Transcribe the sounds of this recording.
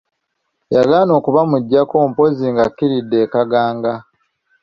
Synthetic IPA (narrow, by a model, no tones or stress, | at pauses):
jaɡaːno̞ːkuβamuɟːako̞ːmpo̞ziŋɡakːiɾidːe̞ːkaɡaːŋɡa